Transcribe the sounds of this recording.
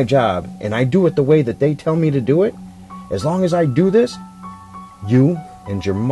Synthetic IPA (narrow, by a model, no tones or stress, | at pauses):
d͡ʒɑbʔɨ̰̃naɪdɨɨt̪̚ðəweɪðɨt̪̚ðeɪtʰɛlˠmiɾɨdɨɪt̚ | ʔɨzlɔ̃ŋɨzaɪdɨðɪs | jɨ | ɨ̃njə˞m